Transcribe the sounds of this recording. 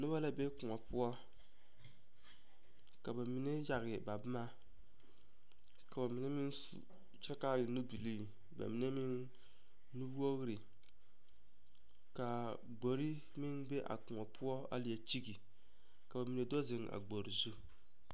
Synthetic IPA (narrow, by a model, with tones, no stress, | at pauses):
nʊ˦ba˦la˦be˦kʊ˨ŋɔ˨pʊ˦ɔ˦ | ka˨ba˨mi˨nɛ˦ja˨ɣɪ˨ba˨bma˦ | ka˨ba˨mɪ˨nɛ˦mɪ˦n˦sṵ˨ | t͡ʃɛ˦ka˦jɪ˨nu˦bi˨li˦˨ | ba̰˨mi˨nɛ˦mɪ˦nː | u˦bo˦ɣɾɪ˨ | ka˨ | ɡ͡bo˨ɾi˦ | mɪ˦nbe˦ʔa̰˨kʊ˨ŋɔ˨pʰʊ˦ɔ˦a̰˦lɪ˨jɛ˨t͡ʃi˦ɡi˨ | ka˨ba˨mi˨nɛ˨do˦zɪ˨ŋa̰˨ɡ͡bo˨ɾi˨zu˦